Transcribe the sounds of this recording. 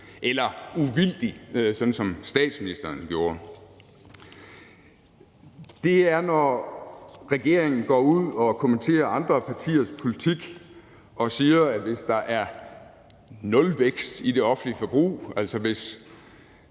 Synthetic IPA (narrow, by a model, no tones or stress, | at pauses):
ʔelɐuʋil̰d̥isɒ̽nn̩sɒ̽msd̥ɛ̰ːd̥sminisd̥ɐːnɡ̥jo̝ːɐ | d̥e̝æɐnɒ | ʁɛɡ̥e̝ɐ̰e̝ŋn̩ɡ̥ɒ̰ːuð̰ˠɒ̽kʰo̝ment͡sʰe̝̰ːɐɑ̈nd̥ʁɐpʰɑ̈t͡sʰḭːɐspʰo̝lit͡sʰiɡ̥ | ɒ̽siːɐæʋe̝sd̥ɑ̈ʔæɐ | nɔ̽lʋeɡ̥sd̥id̥e̝ɒ̽fn̩liəfɒb̥ʁṵːæl̰sɒʋe̝s